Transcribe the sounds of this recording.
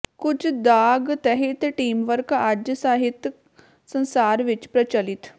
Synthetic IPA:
kud͡ʑd̪aɡt̪ɛɦit̪ʈiːmʋəɾkad͡ʑəsaɦit̪j | sə̃ñsaɾʋit͡ɕpɾət͡ɕalit̪

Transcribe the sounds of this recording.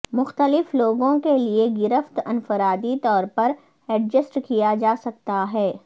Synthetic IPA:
mʊxt̪əlɪfloːɡõkelieɡɪɾəft̪ɐnfəɾaːd̪it̪ɔːɾpɐɾ | ɛɖd͡ʒəsʈkijad͡ʒaːsɐk̚t̪aɦɛː

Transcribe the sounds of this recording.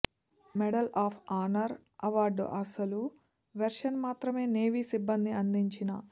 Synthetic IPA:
mɛɽɐlaːpʰaːnɐɾ | ɐʋaːɾɖ̰ʔɐsɐlu | ʋeɾʂɐnmaːt̪ɾɐme̞ːne̞ːʋisibːɐnd̪iɐnd̪iɲt͡ʃinɐ

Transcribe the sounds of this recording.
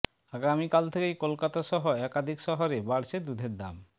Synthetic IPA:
aɡamikalt̪ʰekejkolkat̪aʃɔɦoɛkad̪ʱikʃɔɦoɾebaɽʃed̪ud̪ʱeɾd̪a̰m

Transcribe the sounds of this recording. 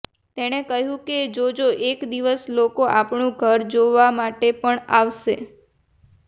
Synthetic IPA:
t̪eɽ̃ekəɦjũked͡ʒod͡ʒoʔekd̪iʋəslokoʔapɳũɡʱəɾd͡ʒoʋamaʈepəɳaʋʃe

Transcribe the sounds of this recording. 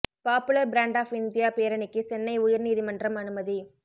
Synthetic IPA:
paːpɯlɐɾbɾaːɳɖaːfɪnd̪ɪjaːpeːɾɐnɪkːɯt͡ʃɛnːɐɪʊjɐɾniːðimɐndrɐmɐnɯmɐði

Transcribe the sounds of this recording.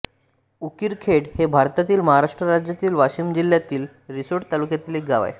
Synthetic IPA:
ukiɾkʰeɽhebʱaɾt̪at̪iːlməɦaɾaʂʈɾəɾad͡ʑjat̪iːlʋaɕiːmd͡ʑiljat̪iːl | ɾisoɽt̪alukjat̪iːlek̚ɡaʋa̰j

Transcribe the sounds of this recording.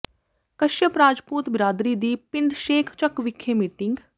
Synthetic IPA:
kəʃjəpɾaːd͡ʒpuːt̪bɪɾaːd̪ɾiːd̪iːpɪɳɖʃeːkʰt͡ʃəkʋɪkʰːeːmiːʈɪŋɡ

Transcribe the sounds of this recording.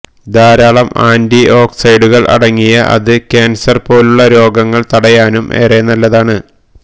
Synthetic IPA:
d̪aːɾaːɭɐmaːndio̞ːksɐjɖuɣɐɭʔɐ̰ɽɐŋːijɐʔɐ̰ðɨkʲaːnsɐrpo̞ːluɭːɐɾo̞ːɡɐŋːɐɭt̪ɐɽɐjaːnumʔḛːreːnːɐlːɐðaːɳɨ

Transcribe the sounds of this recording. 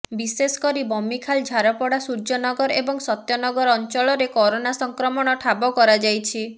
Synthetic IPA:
bisesɔ̥kɔɾibɔmikʰald͡ʒʱaɾɔpɔɽasuɾd͡ʒɔnɔɡɔɾebɔŋsɔt̪jɔnɔɡɔɾɔnt͡ʃɔɭɔɾekɔɾonasɔŋkɾɔmɔɽ̃ɔʈʰabɔkɔɾad͡ʒajt͡ʃʰi

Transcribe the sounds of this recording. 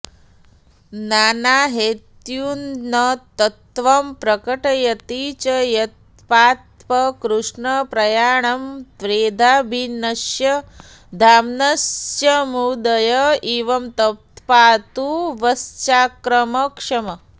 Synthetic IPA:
naːnaːɦeːt̪juːnnɐt̪ɐt̪ʋɐmpɾɐkɐʈɐjɐt̪iːt͡ʃɐjɐt̪̚ | paːt̪̚pɐkɾuʂɳɐpɾɐjaːɳɐmt̪ɾeːd̪ʱaːbʱinɐʃjɐ | d̪ʱaːmnɐsjɐmud̪ɐjɐiːʋɐmt̪ɐt̪paːt̪uʋɐst͡ʃaːkɾɐmɐkʂɐmɐ

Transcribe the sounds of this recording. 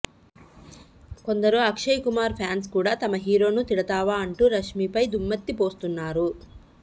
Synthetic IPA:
ko̞nd̪ɐɾuɐkʂɐjkumaːɾpʰjaːns̬kuːɽaːt̪ɐmɐɦiːɾo̞ːnut̪iɽɐt̪aːʋaːɐɳʈuːɾɐʂmiːpɐjd̪umːɐt̪ːipo̞ːst̪unːaːɾu

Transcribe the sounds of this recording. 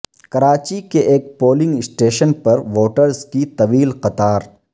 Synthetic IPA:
kɐɾaːt͡ʃikeʔeːk̚poːlɪ̃ŋɡɪsʈeːʃənpɐɾʋoːʈəɾzkit̪ɐʋiːlqɐt̪aːɾ

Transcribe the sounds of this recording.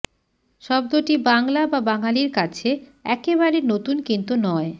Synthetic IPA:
ʃɔbd̪oʈibaŋlababaŋaliɾkat͡ɕʰeɛkeβaɾenot̪unkint̪unɔe

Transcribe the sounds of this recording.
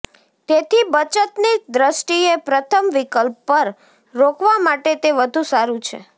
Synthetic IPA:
t̪et̪ʰibət͡ʃət̪nid̪ɾəsʈiepɾət̪ʰəmʋikəlpːəɾ | ɾokʰʋamaʈet̪eʋəd̪ʱũsaɾũt͡ʃʰḛ

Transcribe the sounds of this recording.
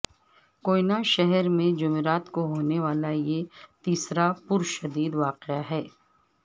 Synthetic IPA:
koːinaʃɛɦɛɾmẽd͡ʒʊmeɾaːt̪koɦoːneʋaːlajet̪iːsɾapʊɾʃɐd̪iːd̪ʋaːqeaɦɛː

